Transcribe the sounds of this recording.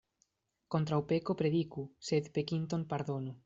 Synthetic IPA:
kont̪ɾawpekopɾeðikuseðpekint̪oŋpaɾðonʊ

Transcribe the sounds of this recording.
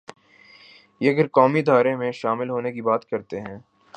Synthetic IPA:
jeɐɡəɾkɔːmid̪ʱaːɾemẽʃaːmɪlɦoːnekibaːt̪kɐɾt̪eɦɛ̃ː

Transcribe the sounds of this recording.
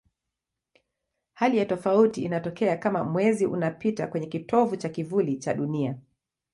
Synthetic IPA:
halijatɔfautiːnatɔkɛakama̰mwɛziʔṵnapitakwɛɲɛkitɔvut͡ʃakivulit͡ʃaɗunia

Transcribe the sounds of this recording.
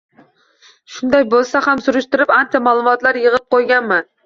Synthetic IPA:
ʃʊnd̪ɑjbolˠsahamsuɾʊʃt̪ɪɾɪpant͡ʃʰɛmɑːlˠumɒt̪lˠaɾjəʁəp̚qʰojɡʲanmɪ

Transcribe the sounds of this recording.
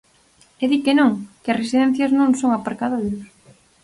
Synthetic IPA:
eðikenõŋkɪɐsresiðɛn̟θjɐznõŋsoŋapaɾkaðojʊs

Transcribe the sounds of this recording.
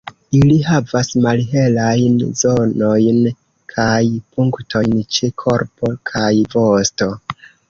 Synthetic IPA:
iliɦavasmalɦe̞lajnzo̞no̞jn | kʰajpuŋkto̞jnt͡ʃekʰo̞ɾpo̞kʰajvo̞sto̞

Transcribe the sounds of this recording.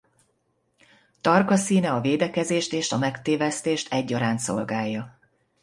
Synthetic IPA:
t̪ɒrkɒsiːnɛɒveːd̪ɛkɛzeːʃt̪eːʃɒmɛkt̪eːvɛst̪eːʃt̪ʰɛɟːɒɾaːnt̪so̰lɡaːjːɒ

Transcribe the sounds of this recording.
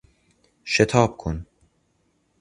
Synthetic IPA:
ʃet̪ʰɑːbkʰun

